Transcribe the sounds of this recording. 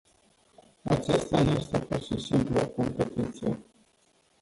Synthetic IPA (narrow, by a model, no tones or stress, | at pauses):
a̰t͡ʃast̪ajest̪epurʃisimpluako̞mpet̪it̪sije